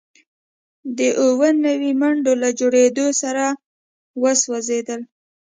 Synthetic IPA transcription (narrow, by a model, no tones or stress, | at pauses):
d̪əʔowənawimaɳɖolad͡ʒoɽed̪osaɾa | wəswazed̪əl